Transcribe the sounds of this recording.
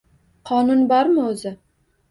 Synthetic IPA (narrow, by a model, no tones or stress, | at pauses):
qʰɒnʊnbɒɾmɪɵzɪ